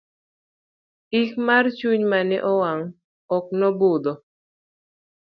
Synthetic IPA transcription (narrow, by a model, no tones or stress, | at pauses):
ikmart͡ʃuɲmanɛʔɔwaŋ | ɔknɔbod̪ɔ